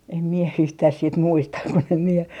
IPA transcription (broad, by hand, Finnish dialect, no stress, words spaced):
em mie yhtæh sit muistɑ kun em mie